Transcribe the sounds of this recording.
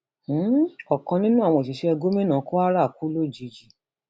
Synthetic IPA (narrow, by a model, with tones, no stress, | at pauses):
ɔ˨kã˧nĩ˦nũ˦a˦˨w̃ɔ̃˧˨ti˨˧ʃɛ˦ɛ˧ɡo˦mĩ˦nã˨˦ko˦a˦ɾa˦˨ku˨˦lo˦˨d͡ʒi˧d͡ʒi˨